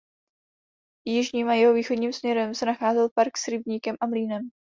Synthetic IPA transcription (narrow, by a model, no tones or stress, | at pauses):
jɪʒɲiːmʔajɛɦo̞viːxo̞dɲiːmsmɲɛɾɛmsɛnaxaːzɛlpaɾksɾɪbɲiːkɛmʔamliːnɛm